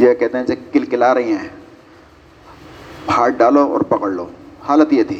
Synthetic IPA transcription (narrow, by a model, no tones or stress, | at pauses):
d͡ʒakɛɦt̪eɦɛ̃sekɪlkɪlaːɾɐɦiɦɛ̃ː | bʱaːʈ̚ɖaːloɔ̰ːɾpɐkəɽloːhaːlət̪jet̪ʰiː